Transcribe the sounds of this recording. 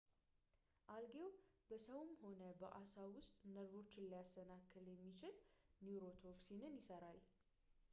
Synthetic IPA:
ʔalɡe̞wb̥əsəwmho̞nəbəʔasawʊst̪ʼnəɾo̞t͡ʃːɪnlːəjasːənakʰːɨljɛmːit͡ʃɪlniɾo̞t̪ʰo̞ksinɨnjɪsəɾal

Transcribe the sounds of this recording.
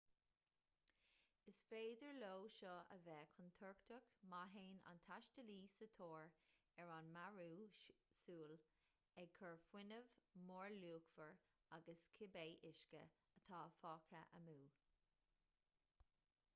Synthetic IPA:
ɪsfeːdəɹloːʃɔə̰vɛːkʰʊnt̪ʰɔɹktʰəkmaɦeːna̰nt̪ʰaʃtəliːsət̪ʰoːɹɛɹanmaɹuːsuːl | ɛɡ̚kʰəɹfwɪnəvmoːɹluːkfəɹ | aɡəskʰɪbeːʔɪʃkə̰ | ət̪ʰɑːfɑːkʰəʔə̰muː

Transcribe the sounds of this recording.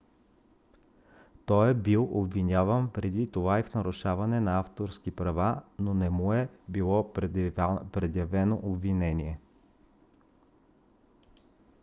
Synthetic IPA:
t̪ɔjɛbilˠobvinʲavənpɾɛd̪it̪ovaifnɐɾʊʃavɐnɛnɐaft̪oɾskipɾɐvanonɛmuɛbilˠɔ | pɾɛd̪jɐvɛnoʔobvinɛniɛ

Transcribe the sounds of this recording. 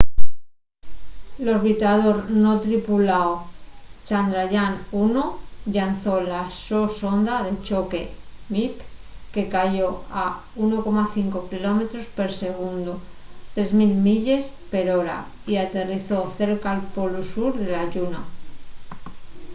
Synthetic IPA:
lo̞ɾβit̪aðo̞ɾno̞t̪ɾipulaot͡ʃand̪ɾaʝanunoʎanθo̞lasoso̞nd̪aðe̞t͡ʃo̞ke̞mipke̞kaʝo̞a | uno̞ko̞maθiŋko̞kilo̞me̞t̪ɾo̞spe̞ɾse̞ɣ̞und̪ot̪ɾe̞zmilmiʎe̞spe̞ɾo̞ɾa̰ | iat̪e̞riθo̞θe̞ɾkaːlpo̞lusuɾðe̞laʎuna

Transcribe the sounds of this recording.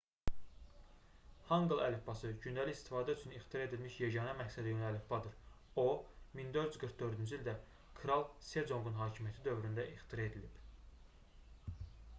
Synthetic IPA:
hɑŋɡlˠælifbɑsɯɟynd̪æliçist̪ʰi̥fɑːd̪æyt͡ʃʰynixt̪ʰiɾɑed̪ilmiʃjeɟɑːnɑmæcsæd̪ijønælːifbɑd̪ɯɾ | o̞mind̪ø̞ɾd̪yzɡɯɾkd̪ø̞ɾd̪ynd͡ʒyild̪æ | kʰɾɑlˠse̞d͡ʒo̞ŋɡ̪unɦɑːcʰimijæt̪ʰid̪ø̞vɾynd̪æʔixt̪ʰiɾɑe̞d̪ilib̥

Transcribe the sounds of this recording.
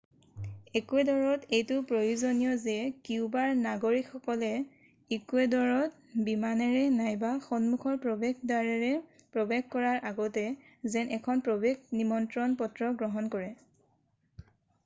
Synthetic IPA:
ekuɛdɔɹɔtejtʊpɹojuzonijɔzɛkiʊbaɹnaɡoɹikxɔkɔlɛ | ikuɛdɔɹɔt̚ | bimanɛɹɛnajbaxɔnmukʰɔɹpɹɔbeɡ̚daɹɛɹɛ | pɹɔbeɡkɔɹaɹʔaɡɔtɛ | zɛnʔɛkʰɔnpɹobeɡnimɔntɹɔnpɔtɹɔɡɹɔɦɔnkɔɹɛ

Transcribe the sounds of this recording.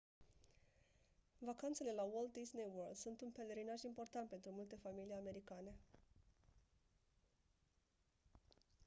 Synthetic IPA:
vakant̪se̞le̞lawold̪̚d̪isneworld̪sunt̪unpe̞le̞ɾinaʒimpo̞rt̪ant̪̚pe̞nt̪ɾumult̪e̞familijame̞ɾikane̞

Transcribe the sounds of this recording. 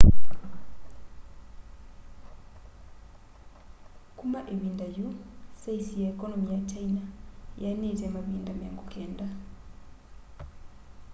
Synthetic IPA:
kʼumaʔemindajusaisijaikʼɔnɔmijat͡ʃʰainajanetɛmamindamaŋɡukʰɛːnda

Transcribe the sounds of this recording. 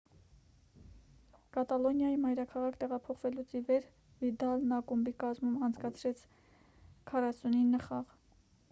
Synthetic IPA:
kɑt̪ɑlɔnjɑjimɑjɾɑkʰɑʁɑkʰt̪ɛʁɑpʰɔχvɛlut͡sivɛɾ | vid̪ɑlnɑkumbikɑzmumɑnt͡sʰkɑt͡sʰɾɛt͡sʰ | kʰɑrɑsuninːəχɑʁ

